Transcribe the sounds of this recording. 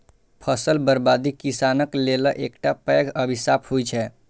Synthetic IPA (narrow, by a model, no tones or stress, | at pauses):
pʰəsəlbəɾbad̪ikisanəkleləʔekʈapɛɡəbʱisaphojt͡ʃʰɛ